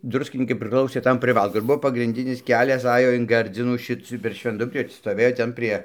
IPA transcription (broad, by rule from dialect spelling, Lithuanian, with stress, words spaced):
ˈdrʊsʲkʲɪnʲiːkɐɪ pʲrʲɪˈklˠɐʊsʲeː ˈtɐm pʲrʲɪˈʋɐlˠkʊ ɪr ˈbʊʋoː pɐɡrʲɪnʲˈdʲɪnʲɪs ˈkʲæːlʲɛs ˈɑːjoː ɪn ˈɡɐrʲd͡zʲɪnuː ˈʃʲɪt͡s pʲɛr ʃʲʋʲɛnˈdʊbʲrʲiː stoːˈʋʲeːjoː ˈtʲɛn pʲrʲiɛ